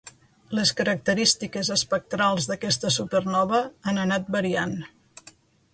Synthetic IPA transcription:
leskəɾək̚t̪əɾist̪ikezəspək̚t̪ɾalˠzðəkɛst̪əsupərnɔβəanənat̪̚bəɾian

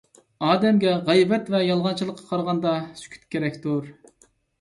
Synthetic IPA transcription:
ɑːd̪ɛmɡʲɛʁɛjvɛt̪vɛjɑlˠʁɑnt͡ʃʰilˠəqʰːɑ̥qʰɑɾʁɑnd̪ɑsy̥kʲʰy̥t̪̚kʲʰeɾɛkʲt̪ʰuɾ

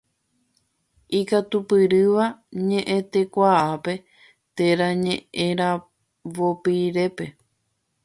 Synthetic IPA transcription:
ikat̪upɨɾɨʋaɲẽ̞ʔẽt̪e̞kʷaʔape̞ | t̪e̞ɾaɲẽẽɾa | ʋopiɾe̞pe̞

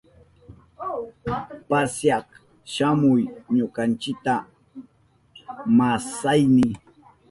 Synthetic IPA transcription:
pasjɑq | ʃamʊjɲokɑnt͡ʃɪk̚t̪a | masajnɪ

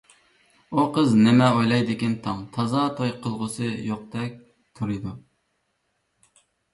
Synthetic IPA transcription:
uqʰəznɪmɛojlˠɑjd̪ɪkʲint̪ʰɑŋt̪ʰɑzɑt̪ʰojqʰəlˠʁʊsɨjoq̚d̪ɛk̚ʲ | t̪ʰuɾɨd̪u

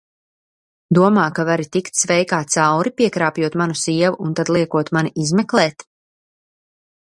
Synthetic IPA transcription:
d̪uɔmaːkavaɾit̪ikt̪svɛjkaːt̪t̪sawɾipʲiɛkɾaːpjuɔt̪manusiɛvuunt̪ad̪lˠiɛkuɔt̪maniʔizmɛklˠɛːt̪

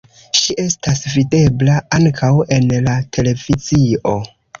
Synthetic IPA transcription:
ʃiʔe̞stasvide̞blaaŋkʰawe̞nlatʰe̞le̞v̥izio̞

